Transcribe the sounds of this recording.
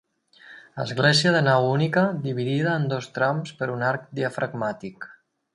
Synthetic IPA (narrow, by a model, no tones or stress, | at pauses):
ə̰zɣlɛziəðənawunikəðiβ̞iðiðəːnd̪ost̪ɾamspəɾunaɾk̚d̪iəfɾʔəɡmat̪ik